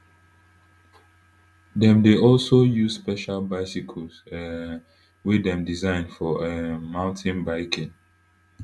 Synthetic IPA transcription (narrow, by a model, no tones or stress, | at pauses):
dɛ̃mdeɔlsojuz̥spɛʃalbaɪsikʰɔls | widɛ̃mdizãɪ̃nfɔemãʊ̃ntʰɪ̃nbaɪkʰɪ̃n